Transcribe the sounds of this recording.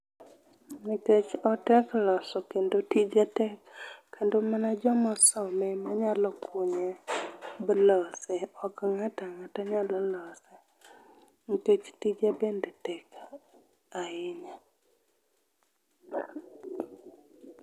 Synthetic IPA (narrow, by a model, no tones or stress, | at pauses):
ŋiket͡ʃɔtɛklɔsɔkendotid͡ʒɛtɛkːendomanad͡ʒɔmɔsɔmɛmaɲalɔkoɲeblɔsɛɔkŋataŋataɲalɔlɔsɛ | niket͡ʃtid͡ʒebendetɛk | aɪɲa